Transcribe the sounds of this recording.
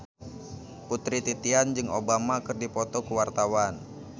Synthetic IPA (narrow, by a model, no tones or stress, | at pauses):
put̪ɾit̪it̪iand͡ʒɨŋobamakɨrdipɔt̪ɔkuwart̪awan